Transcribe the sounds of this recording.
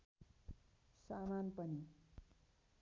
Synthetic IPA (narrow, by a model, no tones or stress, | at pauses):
samanpʌni